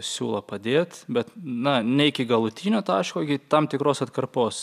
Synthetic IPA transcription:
sʲṵːlˠɐpɐd̪ʲeːt̪bʲɛt̪nɐnʲɛɪkʲɪɡɐlˠʊt̪ʲiːnʲoːt̪ɑːʃkoːɪkʲɪt̪ɐmt̪ʲɪkɾoːsɐt̪kɐrpoːs

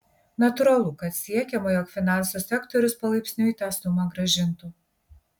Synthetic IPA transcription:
nɐt̪ʊɾɐlˠʊkɐt̪sʲiɛkʲɛmojɔːkfʲɪnɑˑnsusʲɛkt̪ɔɾʲʊspɐlˠɐɪpʲsʲnʲʊiːt̪ɑːsʊmɑɡɾɐʒʲɪnt̪u

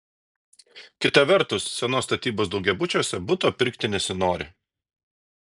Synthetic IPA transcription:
kʲɪt̪ɐʋʲɛɾt̪ʊsːʲɛnoːst̪ɐt̪ʲiːboːsd̪ɒʊɡʲɛbʊt͡ʃʲoːsʲɛbʊt̪oːpʲɪɾʲkt̪ʲɪnʲɛsʲɪnoːɾʲɪ̰

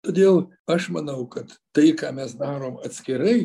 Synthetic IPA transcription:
t̪od̪ʲeːlˠ | ɐʃmɐnɐʊkɐt̪ | t̪ːɐɪkɑːmʲɛsd̪ɑːɾoːmɐt̪sʲkʲɛɾɐɪ

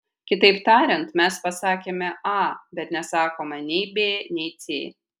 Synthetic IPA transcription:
kʲɪt̪ɐɪpt̪ɑːɾʲɛnt̪mʲɛspɐsɑːkʲeːmʲɛʔɑːbʲɛt̪nʲɛsɑːkoːmɐnʲɛɪbʲeːnʲɛɪt̪sʲḛː

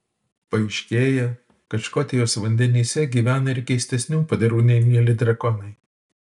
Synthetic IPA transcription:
pɐɪʃʲkʲeːjɛ | kɐt͡ʃkoːt̪ʲɛjoːsʋɐnʲd̪ʲɛnʲiːsʲɛɡʲiːʋʲæːnɐɪɾkʲɛɪsʲt̪ʲɛsʲnʲuːpɐd̪ʲɐɾuːnʲɛɪmʲiɛlʲɪd̪ʲɾɐɡɔnɐɪ

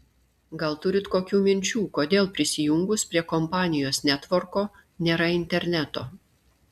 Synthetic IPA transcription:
ɡɐlˠt̪ʊɾʲɪt̪koːkʲuːmʲɪnʲt͡ʃʲuːkoːd̪ʲeːlˠpʲɾʲɪsʲɪjʊŋɡʊspʲɾʲiɛkɔmpɑːnʲɪjoːsnʲæt̪ʋɔɾkoː | nʲeːɾɐɪnʲt̪ʲɛɾʲnʲæt̪oː

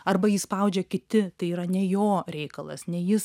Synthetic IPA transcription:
ɐrbɐjispɐʊd͡ʒʲɛkʲɪt̪ʲɪt̪ɐɪiːɾɐnʲɛjoːɾʲɛɪkɐlˠɐ̰snʲɛjɪs

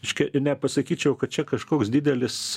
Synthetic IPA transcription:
ɛʃʲkʲɛnʲɛpɐsɐkʲiːt͡ʃʲɛʊkɐt̚t͡ʃʲɛkɐʃkoːksd̪ʲiːd̪ʲɛlʲɪs

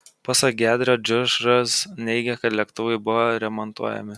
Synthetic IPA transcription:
pɑsɐk̚ɡʲæːd̪ʲɾʲoːd͡ʒʲʊʒɾɐsnʲɛɪɡʲɛkɐt̪lʲɛkt̪ʊʋɐɪbʊʋoɾʲɛmɔnt̪uɔjɛ̰mʲɪ

